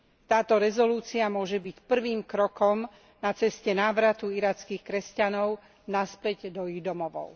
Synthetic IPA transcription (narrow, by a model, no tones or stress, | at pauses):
t̪aːt̪ɔɾɛzɔluːt͡siamʊɔʒɛbicpr̩ʋiːmkɾɔkɔm | nat͡sɛscɛnaːʋɾat̪uiɾaːt͡skiːxkɾɛscanɔʊ | naspɛɟd̪ɔiɣd̪ɔmɔʋɔ̰ʊ